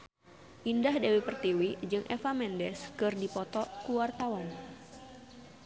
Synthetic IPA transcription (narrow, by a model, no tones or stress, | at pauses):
ʔindahdewipərt̪iwid͡ʒɨŋʔɛfamɛndɛskɨrdipɔt̪ɔkuwart̪awɔn